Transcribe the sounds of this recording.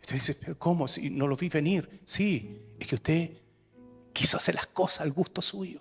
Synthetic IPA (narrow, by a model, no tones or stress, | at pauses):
u̥t̪eðisepeɾko̞mosḭno̞loviβe̞niɾsiehkeust̪e̞ | kisoaseɾlahko̞sḁsalɡust̪o̞suʝo